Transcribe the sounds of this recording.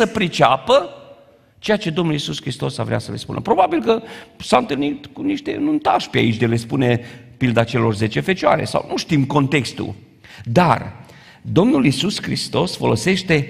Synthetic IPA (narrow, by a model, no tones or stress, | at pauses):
səpɾit͡ʃapə | t͡ʃe̞jat͡ʃe̞d̪omnulisuskɾist̪o̞savɾeasəlespṵnə̰pɾo̞babilkəsaɨnt̪ɨlnit̪kuniʃt̪e̞̰nunt̪aʃpea̰it͡ʃʲd̪ele̞spune̞pild̪at͡ʃe̞lo̞rze̞t͡ʃe̞fe̞t͡ʃoa̰ɾḛsa̰wnʔuʃt̪imko̞nt̪e̞kst̪ṵ | d̪a̰r | d̪o̞mnulisuskɾḭst̪o̞sfo̞lo̞se̞ʃt̪e̞